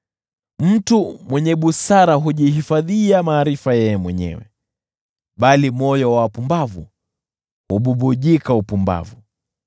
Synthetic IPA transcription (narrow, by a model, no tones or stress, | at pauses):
m̩tumwɛɲɛɓusaɾaɦuʄiɦifaðiamaːɾifajɛjɛmwɛɲɛ̰wɛ̰ | ɓalimɔjɔwapumbavṵ | huɓuɓuʄikaupumba̰vu